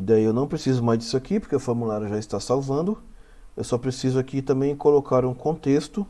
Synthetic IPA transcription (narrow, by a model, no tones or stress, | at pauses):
d̪aiewnɐ̃w̃pɾesizʊmajzd͡ʒ̪isʊakipʊɾkeʊfoɾmulaɾʊʒaist̪asawvɐ̃nd̪ʊ | ewsɔpɾesizʊakit̪ɐ̃mbẽj̃kolokaɾũkõnt̪est̪ʊ